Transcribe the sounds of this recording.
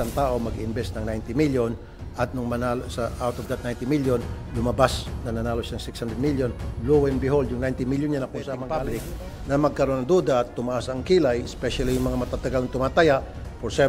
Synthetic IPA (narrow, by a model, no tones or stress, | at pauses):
ant̪aːʔo̞mɐɡɪʔɪnbɛsnɐŋnajnt̪ɪmiljon | ʔɐt̪̚nʊŋmɐnalosɐʔawt̪ovd̪ɐt̪̚najnt̪ɪmiljon | lʊmɐbasnɐnɐnaːlosanɐŋsɪkshand̪ɹɛd̪miljonlowɛnbɪɦold̪jʊŋnajnt̪ɪmiljonɲanɐkʊnsamɐŋalɪk | nɐmɐɡ̚kɐɾo̞nːɐŋd̪uːd̪aʔɐt̪ːʊmɐʔasɐŋkilajɪspɛʃalijʊŋmɐŋamɐt̪at̪ɐɡalnɐt̪ʊmaːt̪ajaʔ | poɾsɛ